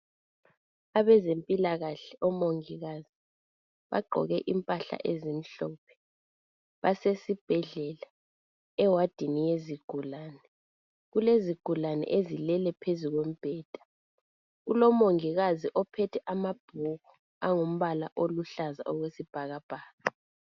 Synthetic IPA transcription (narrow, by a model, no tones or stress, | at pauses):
aβɛzempʼilaɣaɬɛɔmoŋiɣazi | βa̰ɡ͡ǃʱɔ̰ɣɛʔimpʼaɬa̰ʔezim̩ɬɔːpʰɛ̥ | βasesib̥ʱɛɮɛla | ɛwad̥ʱinijeziɡ̥ʱulaːnɛ | ɣuleziɡ̥ʱulanɛ̰ʔezilɛlɛpʰezuɣwem̩b̥ʱɛːd̥ʱḁ | ulɔmoŋiɣaziʔɔpʰɛtʰɛʔamab̥ʱuɣu | aŋom̩βala̰ʔoluɬaza̰ʔɔɣwesib̥ʱaɣab̥ʱaːɣa